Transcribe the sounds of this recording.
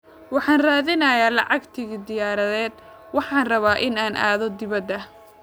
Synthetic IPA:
wɑħɑːnraːðɪnɐjaːlɑʕɑɡt̪ʰɪɣid̪ɪjaːɾɐðɛːd̪ | wɑħɑːnrɐβaːʔɪnaːnʔa̰ːðɔd̪ɪβɐd̪ɐ

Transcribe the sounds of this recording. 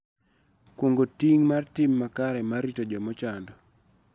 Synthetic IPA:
kwoŋɡotiŋmartɪmːakaɾɛmaritod͡ʒɔmɔt͡ʃandɔ

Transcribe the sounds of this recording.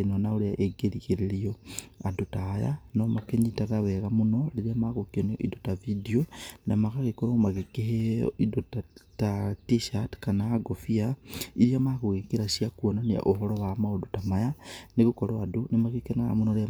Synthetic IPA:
enonaoɾeaʔeɡeɾiɣeɾeɾioadotaja̰nomakeɲitaɣawɛɣamunoleɾiamaɣokionio̰ʔḭdotavidionamaɣaɣekoɾomaɣekeɦeo̰idotatatiʃatkanaːɡofiaiɾiamaɣoɣekeɾasiakuonania̰ʔoɦoɾowamaodotamajaneɣokoɾoadonemaɣekenaɣa̰munoɾea

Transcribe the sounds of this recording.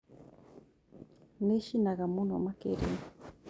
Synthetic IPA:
neʃinaɣamuno̰makḛɾḛn

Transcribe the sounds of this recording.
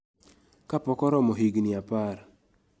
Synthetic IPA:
kapɔkɔɾɔmɔɦiɡniapaɾ

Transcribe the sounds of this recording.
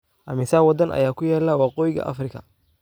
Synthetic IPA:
ʔɐmɪsaːwɐd̪ɐnʔɐ̰jaːkʰʊjaːlaːwɑːqɔːjɪɡɐ̰ʔɐ̰frɪkʰɐ̰

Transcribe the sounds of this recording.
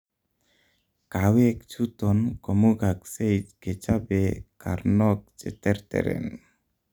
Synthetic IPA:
kawek̚t͡ʃʰut̪ɔnkɔmuɡaksejtɡet͡ʃabekaɾnɔk̚t͡ʃɛ̰t̪ɛɾt̪ɛ̰ɾɛ̰n

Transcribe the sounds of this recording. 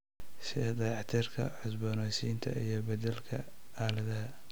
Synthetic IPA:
sɪd̪ɑjɑʕt̪ʰɪrkʰɐ̰ʕʊsbɔːnɔjsiːnt̪ʰɐ̰ijɞbɐd̪ɛlkʰɐ | aːlɐðɐɦɐ

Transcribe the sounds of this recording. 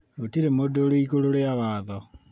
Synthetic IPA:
ɾotiɾemodoɾoiɣoɾoɾeaβaðɔ

